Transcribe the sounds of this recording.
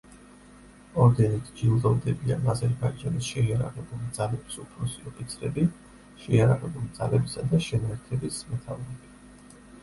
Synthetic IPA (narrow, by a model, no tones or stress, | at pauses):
ɔɾd̪ɛnit̪ʰd͡ʒilˠd̪ɔvd̪ɛbia̰nazɛɾbaid͡ʒanisʃɛiaɾaʁɛbulˠid̪zalɛbi̥supʰɾɔsiɔqʼit̪sʰɾɛbi | ʃɛjaɾaʁɛbulˠid̪z̥a̰lɛbisad̪aʃɛnaɛɾt̪ʰɛbismɛt̪ʰavɾɛbi